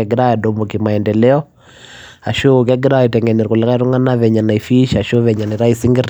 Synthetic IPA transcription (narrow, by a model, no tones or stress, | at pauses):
ɛɡɛɾaɛdɔmɔkimaɛndɛlɛɔ | aʃok̬ɛɡɪɾaɔtɛŋɡɛnɛɾkulɛkaiɾuŋanaβɛɲanaifiʃaʃoβɛɲaniɾaisiŋɡiɾ